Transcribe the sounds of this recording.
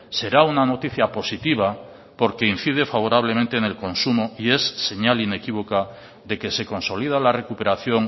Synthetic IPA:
se̞ɾaunano̞t̪iθjapo̞sit̪iβ̞a | po̞ɾke̞in̟θið̞e̞faβo̞ɾaβ̞lemẽnt̪e̞ːne̞lko̞nsumoie̞sːe̞ɲaline̞kiβo̞ka | ðe̞ke̞se̞ko̞nso̞liðalare̞kupe̞ɾaθjo̞ŋ

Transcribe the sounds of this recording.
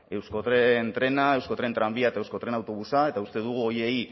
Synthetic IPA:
e̞wsko̞t̪ɾent̪ɾe̞nae̞wsko̞t̪ɾe̞nt̪ɾambiaet̪aewsko̞t̪ɾe̞nawt̪o̞βusae̞t̪aust̪eðuɣuo̞je̞i

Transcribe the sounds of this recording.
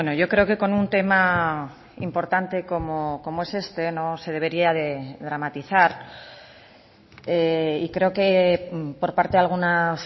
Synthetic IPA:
enoʝo̞kɾe̞o̞ke̞ko̞nunt̪e̞ma | impo̞ɾt̪ant̪e̞ko̞moko̞moe̞se̞st̪e̞no̞se̞ð̞e̞β̞e̞ɾiaðe̞ðɾamat̪iθaɾ | eikɾe̞oke̞po̞ɾpaɾt̪ealɣ̞una

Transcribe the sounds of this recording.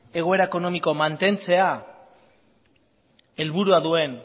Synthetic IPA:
e̞ɣ̞o̞e̞ɾaeko̞no̞miko̞mant̪e̞nt͡se̞a | e̞lβuɾuaðue̞n

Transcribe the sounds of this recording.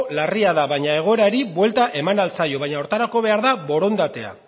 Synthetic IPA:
lariaðaβajɲae̞ɣ̞o̞e̞ɾaɾiβwe̞lt̪aʔe̞manalt͡sajo̞βaɲaoɾt̪aɾako̞βe̞aɾðaβo̞ɾo̞nd̪at̪e̞a̰

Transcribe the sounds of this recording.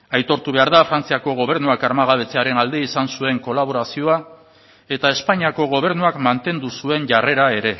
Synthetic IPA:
ajt̪o̞ɾt̪uβe̞aɾðafɾant͡siako̞ɣ̞o̞β̞e̞ɾnuakaɾmaɣaβe̞t͡se̞aɾe̞nald̪e̞isansue̞ŋko̞laβ̞o̞ɾasio̞a | e̞t̪ae̞spaɲiako̞ɣ̞o̞β̞e̞ɾnuakmant̪e̞nd̪usue̞nʝare̞ɾae̞ɾe̞

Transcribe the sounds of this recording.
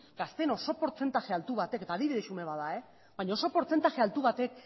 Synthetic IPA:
ɡ̥ast̪e̞no̞so̞poɾt͡se̞nt̪axealt̪uβ̞at̪e̞ke̞t̪aːðiβiðesume̞βaðae̞ | βajɲao̞so̞po̞ɾt͡se̞nt̪axe̞alt̪uβat̪e̞k̚

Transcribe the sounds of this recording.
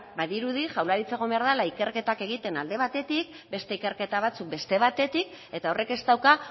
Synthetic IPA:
baðiɾuðiʝawlaɾit͡seɣombeaɾðalaike̞ɾke̞t̪ake̞ɣ̞it̪e̞nald̪e̞β̞at̪e̞t̪ik̚ | be̞st̪e̞ike̞ɾke̞t̪aβ̞at͡suk̚be̞st̪e̞β̞at̪e̞t̪ik̚ | e̞t̪ao̞re̞ke̞st̪awka

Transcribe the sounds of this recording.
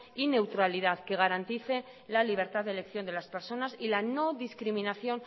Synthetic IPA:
ine̞wt̪ɾaliðaðke̞ɣ̞aɾant̪iθe̞ | laliβ̞e̞ɾt̪aððelekθjo̞nd̪e̞laspeɾso̞nasilano̞ðiskɾimĩnaθjo̞n

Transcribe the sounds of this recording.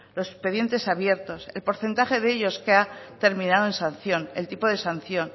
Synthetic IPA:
lo̞sekspe̞ðje̞nt̪e̞saβje̞ɾt̪o̞se̞lpo̞ɾθe̞nt̪aχe̞ðeeʎo̞skeat̪e̞ɾmĩnaðoe̞nsanθjo̞ne̞̰lt̪ipo̞ðe̞sanθjo̞n

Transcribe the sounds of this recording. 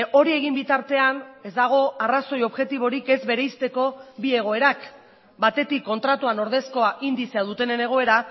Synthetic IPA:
o̞ɾie̞ɣ̞imbit̪aɾt̪e̞ane̞zd̪aɣ̞o̞araso̞jo̞βɣe̞t̪iβ̞o̞ɾike̞zbe̞ɾe̞jst̪e̞ko̞bie̞ɣ̞o̞e̞ɾak | bat̪e̞t̪ikːo̞nt̪ɾat̪uano̞ɾð̞e̞sko̞aʔind̪iseaðut̪e̞ne̞ne̞ɣ̞o̞e̞ɾa

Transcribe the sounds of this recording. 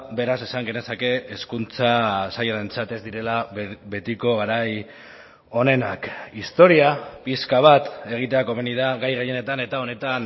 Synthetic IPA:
be̞ɾasesaŋɡe̞ne̞sake̞ːskunt͡sasajaðe̞nt͡sat̪e̞zd̪iɾe̞labe̞t̪iko̞ɣaɾaj | o̞ne̞nakist̪o̞ɾiapiskaβ̞at̪e̞ɣ̞it̪e̞ako̞βeniðaɣajɣeje̞ne̞t̪ane̞t̪ao̞ne̞t̪an

